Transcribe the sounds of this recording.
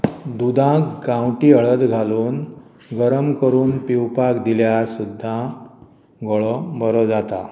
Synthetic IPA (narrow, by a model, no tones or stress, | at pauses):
d̪ud̪ʱãkɡãwʈiɦəɭəd̪ɡʱaluːn | ɡəɾəmkəɾuːnpiwpakd̪iljasud̪ʱːã | ɡɔɭɔbəɾɔd͡zat̪a